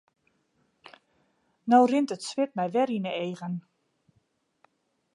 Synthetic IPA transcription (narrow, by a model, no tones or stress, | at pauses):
nowrɪntətsʋɪt̚mɛjʋɛɾinəeːɣən